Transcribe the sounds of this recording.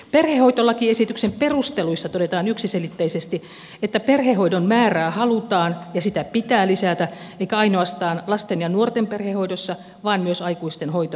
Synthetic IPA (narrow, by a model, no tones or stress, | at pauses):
perhehoit̪olːɑkiːesit̪yksemperust̪eluisːɑt̪oɾet̪ɑːnyksiselit̪ːeisest̪i | et̪ːæperhehoidonmæːræːhɑlut̪ɑːnjɑsit̪æpit̪æːlisæt̪æ | eikæɑinoɑst̪ɑːnlɑst̪enjɑnuort̪emperhehoidosːɑ | ʋɑːnmyøsɑikuist̪enhoit̪o